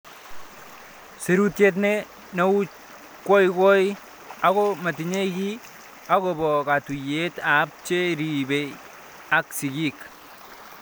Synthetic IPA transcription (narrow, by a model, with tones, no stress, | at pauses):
se˨ɾu˦tje˦t̬nɛ˦ | no˦u˦t͡ʃ | kːɔ˦jkɔ˦j | a˨kɔ˦ma˨t̬i˨ɲe˦ki˦ | a˦kɔ˨bɔ˨ka˨tu˨je˦ta˨˦p̚t͡ʃe˦ɾi˨be˨ | a˨ksi˨ɡi˦k